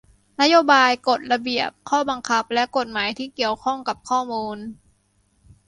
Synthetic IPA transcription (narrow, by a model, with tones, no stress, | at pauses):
na˦˥joː˧baː˧jko˨˩t̪̚la˧bi˨˩əp̚kʰɔː˥˩ba˧ŋkʰa˦˥p̚lɛ˦˥ʔko˨˩t̪̚maː˩˦jt̪ʰiː˥˩ki˨˩əwkʰɔ˥˩ŋka˨˩p̚kʰɔː˥˩muː˧n